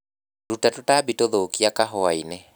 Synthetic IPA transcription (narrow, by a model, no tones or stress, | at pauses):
ɾutatotabitoðokiakaɦɔainɛ